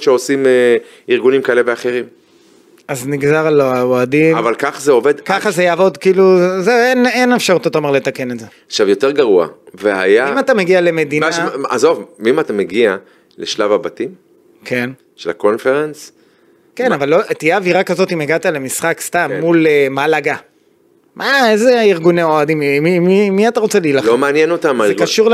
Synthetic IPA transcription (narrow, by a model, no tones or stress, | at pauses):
ʃeo̞sime | iʁɡunimkaeleveaχe̞ʁim | azniɡzaʁaloaoadimavalkaχazeo̞ve̞d̪kaχazejaːvo̞d̪kiːluzeenenefʃaʁut̪ot̪aomeʁle̞t̪akenetzeaχʃavjo̞te̞ʁɡaʁua̰vea̰jamat̪ameɡiale̞me̞d̪inaʃa̰zo̞vmimat̪ameɡia | leʃlavabatim | kʰe̞n | ʃela̰konfeʁens | ke̞navalːot̪ijeːviʁakazo̞timeɡat̪ale̞misχakst̪amːulemalaɡa | mʔaezeiʁɡuneoad̪immiimːiataʁo̞t͡selilalomeanjeno̞tamalzekaʃuʁl